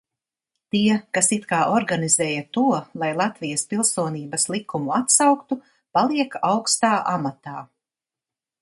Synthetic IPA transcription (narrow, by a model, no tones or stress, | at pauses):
t̪iɛkasit̪kaːʔɔɾɡanizɛːjɐt̪uɔlˠajlˠat̪vijɐspilˠsuɔniːbɐslˠikumuat̪sawkt̪u | palˠiɛkawkst̪aːʔamat̪aː